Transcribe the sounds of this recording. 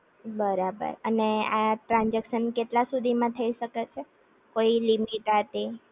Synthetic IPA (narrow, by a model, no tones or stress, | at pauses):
bəɾabə̰ɾəneaʈɾãnd͡ʒekʃənkeʈlasud̪ʱimãt̪ʰəiʃəket͡ʃʰe | koilimiʈɦət̪i